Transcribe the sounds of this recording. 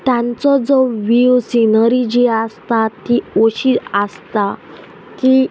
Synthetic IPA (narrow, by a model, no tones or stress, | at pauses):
t̪jãnt͡sɔd͡zɔʋiwsinəɾid͡ʑiast̪at̪ioɕiast̪a | k̪i